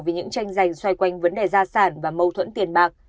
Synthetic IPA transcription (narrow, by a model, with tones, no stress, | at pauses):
wvi˨˩ɲɨ̰˧˥ŋt͡ɕa˧jŋ̟za˨˩jŋ̟swa˧jkwa˧jŋ̟və˨˦nɗe˨˩zaː˧saː˧˩nvaː˨˩mə˧wt̪ʰwə̰˧˥nt̪i˨˩ənɓaː˨˩k̚